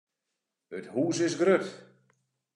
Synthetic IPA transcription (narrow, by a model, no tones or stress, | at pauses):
əthuːsɪsɡrøt